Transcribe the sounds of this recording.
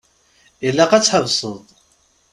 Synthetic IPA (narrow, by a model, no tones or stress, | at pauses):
ilːæqæt͡sːħəvsˤəðˤ